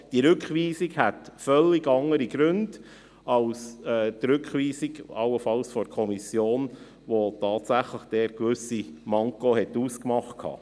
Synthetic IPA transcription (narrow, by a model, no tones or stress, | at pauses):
d̥iəɾʉkχʋiːsikhætfœlːiɡɑŋəɾiɡ̥ɾʉnd̥ | ɑlsɛːtɾʏkχʋiːsiɡɑwəfɑlsfɔɾkʰɔmisjoːn | ʋotɑːtsæχləχd̥ɛːɾkʋʏsimɑŋkohɛtuːskmɑχt̚kʰɑ̰ː